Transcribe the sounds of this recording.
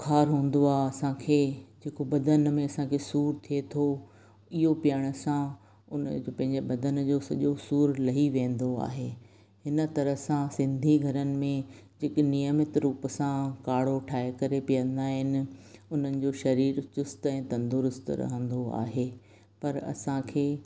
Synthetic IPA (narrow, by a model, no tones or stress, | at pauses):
kʰaːɾɦũːn̆d̪oaːɐsãkʰeːd͡ʑeːkobɐd̪ʱənmẽɐsãkʰeːsuːɾt̪ʰiet̪ʰo | ɪɦopijəɽ̃ə̆sã | ʊnpɐ̃ɦɪ̃ɲd͡ʑebɐd̪ʱənd͡ʑosɐʄosuːɾlɐɦiʋẽːn̆d̪oa̰ːɦeː | hɪnə̆t̪ɐɾəɦsãsɪ̃nd̪ʱiɡʱɐɾənɪ̆mẽd͡ʑeːknijəmɪt̪ɾuːpsãkaːɽ̤oʈʰaːekɐɾepijə̃nd̪aːɦɪnɪ̆ʊn̤ənɪ̆d͡ʑoːʃɐɾiːɾt͡ɕʊst̪ɛ̃ːt̪ɐ̃nd̪ʊɾʊst̪ɾɐ̰ɦə̃nd̪oa̰ːɦeː | pɐɾɐ̰sãkʰeː